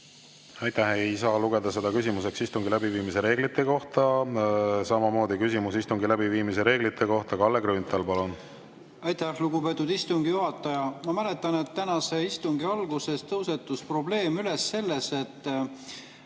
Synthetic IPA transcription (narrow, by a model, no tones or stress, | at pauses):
ɑjt̪æhejsɑluɡ̥e̞d̪̥ɑse̞d̪ɑkysimus̬e̞ksist̪uŋɡilæbiviːmise̞ɾe̞ːɡ̥lit̪ːˑe̞ko̞ht̪ɑ | sɑmɑmo̞ːd̪̥ikysimusist̪uŋɡilæbiviːmise̞ɾe̞ːɡlit̪ːˑe̞ko̞ht̪ɑkɑlːeɡɾyːnt̪ˑɑlpɑlun | ɑjt̪æhluɡube̞ːt̪ːˑud̪ist̪uŋɡ̥ijuɦɑt̪ːˑɑjɑmɑmælet̪ːˑɑne̞t̪ːænɑseist̪uŋɡiɑlɡuse̞st̪ɤwse̞t̪ːˑuspro̞ble̞ːmyle̞sːe̞lːe̞se̞t̪ː